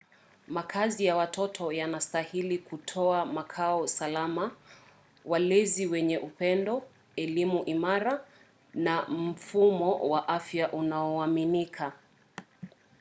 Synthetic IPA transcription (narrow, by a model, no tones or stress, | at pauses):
makʰazijawatʰɔtʰɔjanastahilikutʰɔamakʰaɔsalama | walɛziwɛɲɛʔupɛndɔ | ɛlimuʔimaɾa | nam̩fumɔwaʔafjaʔunaɔaminikʰa